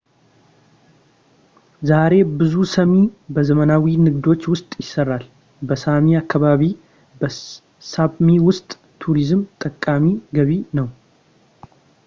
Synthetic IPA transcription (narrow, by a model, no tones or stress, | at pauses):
zaɾe̞bɨzusəmibəzəmənawinɨɡd̪o̞t͡ʃːwʊst̪ʼjɪsːərːal | bəsamiakːaβaβi | bə | saβmiwʊst̪ʼ | t̪ʰuɾizmt̪ʼəkʼːamiɡəβinəw